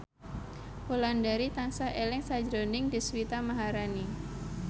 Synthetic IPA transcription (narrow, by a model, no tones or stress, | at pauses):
holandaɾit̪aŋsaʔelɛŋsad͡ʒɾonɪŋdiswit̪amaɦaɾani